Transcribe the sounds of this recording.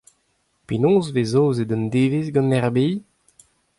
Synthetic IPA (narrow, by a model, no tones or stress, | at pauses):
penɔ̃ːzvezoːzed̪ə̃nd̪eːvesɡɑ̃nɛʁbej